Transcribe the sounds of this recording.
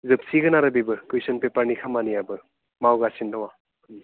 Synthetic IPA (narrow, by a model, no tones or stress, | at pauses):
zɯp̚siɡɐnaɾɐbibɯkujsɐnpepɐɾnikʰamanijabɯ | mawɡasindawa